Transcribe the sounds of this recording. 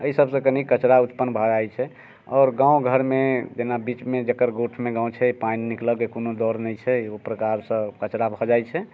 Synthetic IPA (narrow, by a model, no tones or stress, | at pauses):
əisəbsə̃kənikət͡ʃɾaut̪pənːbʱɔd͡ʒajt͡ʃʰɛ | ɔːɾɡãũɡʱəɾmed͡ʒenabit͡ʃmed͡ʒekəɾɡoʈʰmeɡãũt͡ʃʰɛpannikləɡekonod̪ɔɾnɛjt͡ʃʰɛopɾəkaɾsə̃kət͡ʃɾabʱɔd͡ʒajt͡ʃʰɛ